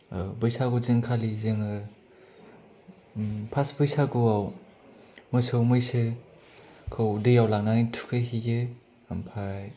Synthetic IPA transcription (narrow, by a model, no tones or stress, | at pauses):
bɯjsaɡuziŋkʰalizeŋɯ | pʰasbɯjsaɡuaw | mɯjsɯwmɯjse | kʰɯwdejawlak̚nanitʰu̥kʰeɦiɡe | ampʰaj